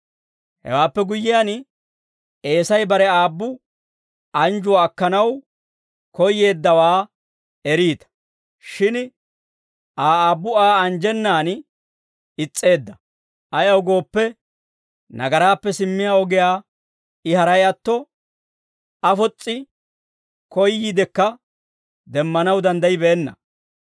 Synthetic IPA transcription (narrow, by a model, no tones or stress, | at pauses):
hɛ̰waːpːɛɡʊjːɪjaːn | e̞ːsɐjbɐɾɛaːbːʊ | ʔɐnd͡ʒʊwaːkːɐnɐw | kɔjːe̞ːd̪ːɐwaː | ɛɾiːt̪ɐ̥ | ʃɪn | ʔaːaːbːʊaːɐnd͡ʒɛnːaːn | ɪt͡sʼːe̞ːd̪ːɐ | ʔɐjɐwɡo̞ːpːɛ | nɐ̰ɡɐɾaːpːɛsɪmːɪjaːɔɡɪjaː | ɪhɐɾɐjɐt̪ːɔ | ɐfɔt͡sʼːɪ | kɔjːid̪ɛkːɐ | d̪ɛmːɐnɐwd̪ɐnd̪ɐjɪbɛːnːɐ̰